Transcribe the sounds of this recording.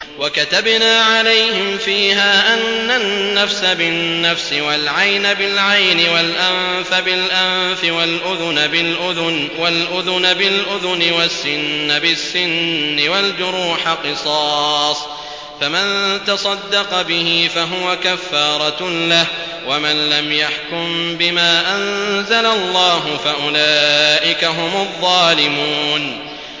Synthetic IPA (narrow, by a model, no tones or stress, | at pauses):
wakat̪abnaːʕalajhɪmfiːɦaːʔanːanːafsabɪnːafsɪwalʕajnabɪlʕajnɪwalʔamfabɪlʔamfɪwalʔʊðʊnaɪlʔʊðʊnwalʔʊðʊnabɪlʔʊðʊnɪwasːɪnːabɪsːɪnːɪwald͡ʒʊɾuːħaqɨsˤɑːsˤ | famant̪ɑsˤɑd̪ːɑqɑbɪhɪfaɦʊwakafːɑːɾˤɑlah | wamanlamjaħkʊmbɪmaːʔanzalalˤːɑːɦʊfaʔʊlaːʔɪkaɦʊmʊðˤːɑːlɪmuːn